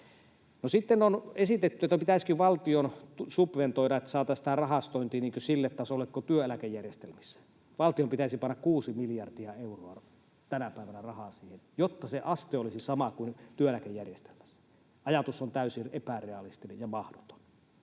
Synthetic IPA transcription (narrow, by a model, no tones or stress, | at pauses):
nosit̪ːenonesit̪et̪ːyet̪ːæpit̪æˑiskiʋɑlt̪ionusupʋent̪oˑiɾɑet̪ːæ̥sɑːt̪ɑsi̥t̪ærɑhɑst̪oˑint̪iːniːŋkøsilːet̪t̪ɑsolːekkot̪yøælækejjærjest̪elmisːæ̥ | ʋɑlt̪iompit̪æˑisipɑnːɑkkuːsimiljɑrdiɑeuroɑ | t̪ænæpæˑiʋænærɑhɑsiːhenjot̪ːɑseʔɑst̪eolisisɑmɑkuint̪yøælækejːærjest̪e̥lmæ̥sːæ̥ | ɑjɑt̪usːont̪æˑysiepæreɑlist̪inejjɑmɑhdot̪o̥n